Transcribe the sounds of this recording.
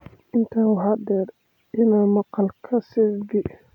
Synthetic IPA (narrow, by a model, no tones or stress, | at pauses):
ʔɪnt̪ʰaːwɑħɑːdɛːɾ | ʔɪnaːmɑqɑlkʰɐsɪʕbɪ